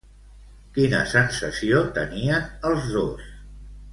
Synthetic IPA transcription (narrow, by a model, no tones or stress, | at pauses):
kinə̰sənsəsiot̪ə̰niənəlˠzðos